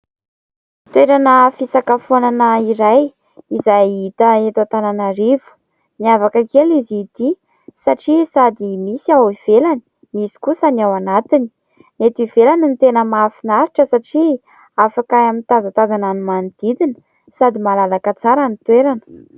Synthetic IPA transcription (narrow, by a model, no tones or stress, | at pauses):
t̪weɾanəfisakafonanəiɾaj | izajit̪əet̪at̪ananaɾivu̥ | niavakakelizit̪i | saʈ͡ʂisad̪imisiawiv̥elani̥ | misi̥kusənawanat̪ini̥ | net̪ivelanint̪enəmafinaɾiʈ͡ʂəsaʈ͡ʂi | afakaamint̪azat̪azananimanid̪̥id̪in | sad̪imalalakət͡saɾanit̪weɾanə̥